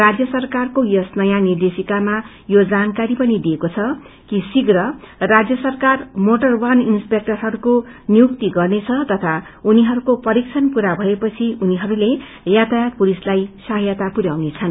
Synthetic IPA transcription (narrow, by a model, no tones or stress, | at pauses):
rad͡zjʌsʌrkarkojʌsnʌjanird̪esikama | jod͡zankaɾipʌnid̪iekot͡sʰʌ | kisiɡrʌrad͡zjʌsʌrkarmoʈʌrwaninspek̚ʈʌrɦʌɾukonijukt̪iɡʌrnet͡sʰʌt̪ʌt̪ʰa | uniɦʌɾukopʌɾik̚t͡sʰʌnpuɾabʱʌepʌt͡sʰiuniɦʌɾule | jat̪ajak̚pulislajsaɦʌjat̪apuɾjawnet͡sʰʌn